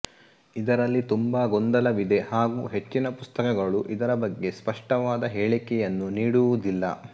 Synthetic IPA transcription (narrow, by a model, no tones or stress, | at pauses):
id̪ɐɾɐlːit̪umbɐɡond̪ɐlɐʋid̪e̞haːɡṵːɦe̞t͡ʃːinɐpust̪ɐkɐɡɐɭuʔid̪ɐɾɐbɐɡːe̞spɐʂʈɐʋaːd̪ɐɦeːɭikɛjɐnːuniːɽuʋud̪ilːɐ̰